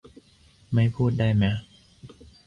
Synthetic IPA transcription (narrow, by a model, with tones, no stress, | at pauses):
ma˥˩jpʰuː˥˩t̪̚da˥˩jmɛ˦˥